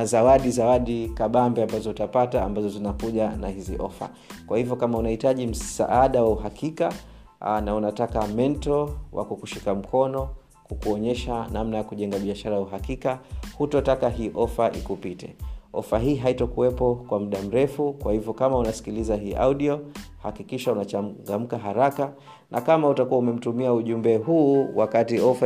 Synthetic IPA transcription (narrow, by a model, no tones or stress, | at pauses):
azawaɗizawaɗikaɓambɛambazɔutapataːmbazɔzinakuʄanahiziʔɔfa̰ | kwahivjɔkamaunahitaʄim̩sa̰ʔaɗawauɦakʰika | naunatakamɛntɔwʔa̰kukuʃikam̩kʰɔnɔ | kukuɔɲɛʃanamnajakuʄɛŋɡaɓiaʃaɾajauɦakikahutɔtakaɦiːʔɔfaʔḭkupitɛ̰ɔfaɦiːɦaitɔkuwɛpɔkwam̩ɗam̩ɾɛfukwahivjɔkamaunasi̥kilizaɦiːʔa̰uɗiɔhakikiʃaunat͡ʃaŋɡam̩kaɦaɾaka | nʔakamautakuwaumɛm̩tumiauʄumbɛɦuːwakatiɔfa